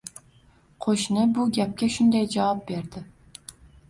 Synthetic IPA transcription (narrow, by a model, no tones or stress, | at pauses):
qʰoʃnɪbʊɡʲap̚kʲaʃʊnd̪ajd͡ʒawɑp̚be̞ɾd̪ɪ